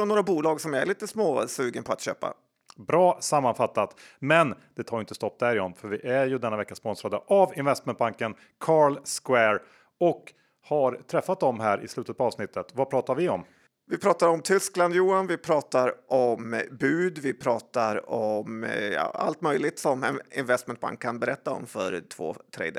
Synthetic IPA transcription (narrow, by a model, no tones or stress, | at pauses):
ɔnoːɾabuːlɑːɡsɔmæɾɭiːt̪əsmoːsʉːɡənpʰɔat̪ɕø̰ːpa̰ | bɾɑːsamːanfat̪ːat̪mɛnd̪̥ɛt̪ʰɑːɾʏɪnt̪əst̪ɔp̚ːd̪æɾɪɔnfœɾvɪʔæɾjɵd̪ɛnːavɛkːaspɔnsɾad̪əʔavɪnvɛst̪̚mɛnt̪̚baŋkən | kʰɑːɾlskwɛɾ | ɔk | haɾt̪ʰɾɛfːat̪̚d̪ɔmɦæːɾʔɪ̰slʉt̪ət̪pʰaɑːvsnɪt̪ːət̪vapʰɾɑːt̪aɾvɪɔm | vɪpʰɾɑːt̪aɾɔmt̪ʰʏskland̪juːanvɪpʰɾɑːt̪aɾɔmbʉ̟ːd̪vɪpʰɾɑːt̪aɾɔmjɑ̰a̰lt̪mœjlɪt̪sɔmɛnɪnvɛst̪mɛnt̪̚ba̰ŋkʰːanbɛɾɛt̪ːaɔ̰mfœ̰ɾt̪ʰv̥o̰ːt̪ʰɾḛd̪ə